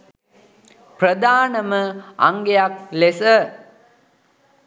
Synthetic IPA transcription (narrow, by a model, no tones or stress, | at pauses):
prəd̪aːnəməa̰ŋɡejaklesə